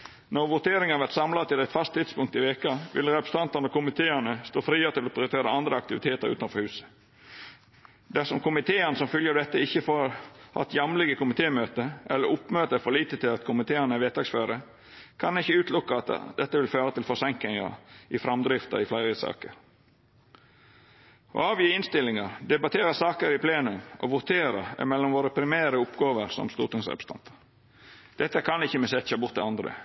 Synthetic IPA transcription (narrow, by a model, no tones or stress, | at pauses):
nɔʋʊt̪eːɾɪŋənʋæɾt̪sɑmlɑt̪ɪd̪æɪt̪fɑst̪ʰːɪd̪spʊŋk̚t̪ɪʋeːkəʋʔɪ̰lɾɛpɾəst̪ɑnt̪ənɔkʊmɪt̪ʰeːænəst̪oːfɾiːəɾət̪ʰɪlɔpʰɾɪʊt̪eːɾəɑnd̪ɾəɑk̚t̪ɪʋɪt̪ʰeːt̪əɾʉ̰ːt̪ɑnfɔɾhʉːsə̥ | d̪æsɔmkʊmɪt̪ʰeːənəsɔmfœljəd̪ɛt̪ːəɪçːəfoːɾhɑ̰t̪ːjɑmlɪɡəkʊmɪt̪ʰeːmøːt̪əʔɛlːəɾʊpːmøːt̪əɛfɔlɭiːt̪ət̪ʰɪlɑt̪kʰʊmɪt̪ʰeːænəæʋeːt̪ʰɑksføːɾə | kʰɑnɪçːəʉːt̪ʰlʊkːəɑt̪d̪ɛt̪ːəʋɪlføːɾət̪ɪlfɔsɛŋkɪŋɑ̰ʔɪfɾɑmd̪ɾɪft̪ə̰ɾɪflæɪɾəsɑ̰ːkəɾ | ʔo̰ɑːʋjiːɪnst̪ɪlːɪŋɑɾd̪ɛbɑt̪ʰeːɾəsɑːkəɾɪpʰleːnʉmʔo̰ʋʊɾt̪ʰeːɾəɛ̰mɛlːɔmʋoːɾəpʰɾɪmæːɾəʊpɡɑːʋəɾsɔ̰mst̪ṵːɾʈ̪ɪŋsɾɛ̰pst̪ɑ̰nt̪ʰə̥ | d̪̥ɛt̪ːəkʰɑnɪçːəmɛsɛçɑbʊt̪̚ɛ̰ɑnd̪ɾə̰